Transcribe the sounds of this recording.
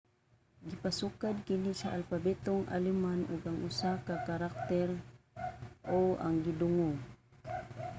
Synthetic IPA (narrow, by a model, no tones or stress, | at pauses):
ɡɪpasukad̪̚kɪnisaʔalfabɛt̪oŋʔa̰limanʊɡaŋʔʊsakakaɾak̚t̪ɛɾ | ʔoa̰ŋɡid̪ʊŋoŋ